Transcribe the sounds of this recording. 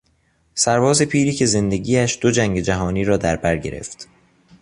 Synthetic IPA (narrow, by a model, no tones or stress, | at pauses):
sæɾbɒːze̞pʰiːɾiːcʰe̞ze̞nd̪e̞ɡiːæʃd̪̥o̞d͡ʒæŋɟe̞d͡ʒæɦɒːniːɾɒːd̪æɾbæɾɟe̞ɾḛft̪